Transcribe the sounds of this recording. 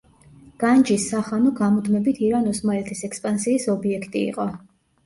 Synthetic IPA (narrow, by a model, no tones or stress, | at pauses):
ɡ̥and͡ʒisːaχanɔɡamɔd̪mɛbit̪ʰiɾanɔsmalɛt̪ʰisɛkspʼansiːsɔbiɛkʰt̪ʼḭːqʼɔ